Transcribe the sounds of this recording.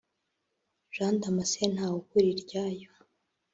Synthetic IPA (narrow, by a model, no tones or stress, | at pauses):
ʒ̥aːndamasen̥haːwukuɾiɾɟaːjo